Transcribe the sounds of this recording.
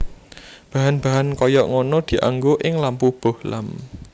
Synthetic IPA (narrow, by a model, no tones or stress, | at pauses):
b̥a̤ɦanb̥a̤ɦankɔjɔʔŋɔnɔd̪̥i̤ʔa̰ŋɡoʔɪŋlampub̥o̤hlam